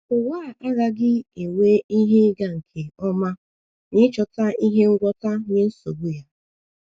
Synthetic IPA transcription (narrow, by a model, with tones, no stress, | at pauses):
ʊ˨waː˦˨a˦ɣa˦ɡɪ˦e˨we˦i˦ɦe˦ɡa˨ŋ̩˨kʰe˨ɔ˦ma˦ | ɲɪ˦t͡ʃɔ˨ta˦i˦ɦe˦ŋ̩˦ɡʷɔ˦ta˦ɲɪ˦n̩˦so˨bu˦ja˦